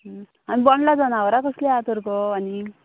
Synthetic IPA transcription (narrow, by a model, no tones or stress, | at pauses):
anibɔɳɖlad͡zɔnaʋəɾakəsleat̪ɔɾkɔani